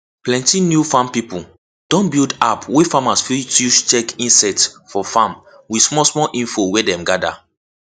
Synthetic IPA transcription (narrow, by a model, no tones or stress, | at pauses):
plɛ̃ntinjufãmpipu | d̥ɔ̃nbildapwefamasfituʃt͡ʃɛkĩnsɛtsfɔfãm | wismɔsmɔlʔĩnfowedɛ̃mɡada̰